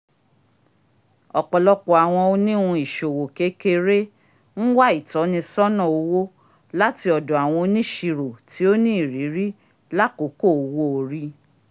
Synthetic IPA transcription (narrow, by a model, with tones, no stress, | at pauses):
ɔ˨k͡pɔ˨lɔ˨˦k͡pɔ˨a˨w̃ɔ̃˧o˦nĩ˦ũ˧i˨ʃo˨wo˨ke˨˦ke˧˦ɾe˦ | ñ̩˦wa˦i˦˨tɔ˨˦nĩ˧sɔ˦nɔ̃˦˨o˧wo˦ | la˦ti˧ɔ˨dɔ˨a˨w̃ɔ̃˧o˧˦nĩ˦ʃi˧ɾo˨ti˨˦o˦nĩ˦i˦˨ɾi˨˦ɾi˦ | la˦ko˨˦ko˦˨wo˧˨o˨ɾi˧˦